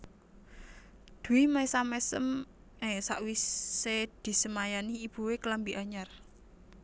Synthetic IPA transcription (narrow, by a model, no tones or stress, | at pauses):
d̪̥ṳwimajsamɛsə̰m | esaʔwised̪̥i̤səmajaniːb̥ṳwekəlambiʔaɲar